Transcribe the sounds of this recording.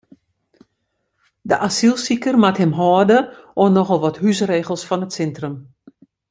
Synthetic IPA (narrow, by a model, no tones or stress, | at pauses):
dəʔasilˠsikərmathɪmɦɔːdəonɔxəlˠʋɔthysreːɣəlˠsfɔnətsɛntrəm